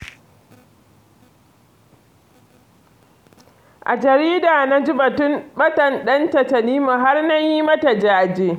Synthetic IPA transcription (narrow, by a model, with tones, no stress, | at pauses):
ʔa̰˨d͡ʒɐ˨ɾiː˦daː˨na˦d͡ʒɪ˦bɐ˨tʊ˦mɓɐ˦tɐ˨nɗɐ˦ntɐ˨tɐ˨niː˦ma˨ɦa˦rna˦ji˦mɐ˦ta˨d͡ʒa˦ʔa˨d͡ʒeː˦˨